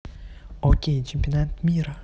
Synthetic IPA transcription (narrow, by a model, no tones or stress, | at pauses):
ɔkʰʲejt͡ʃʰempʲionat̪mʲiɾa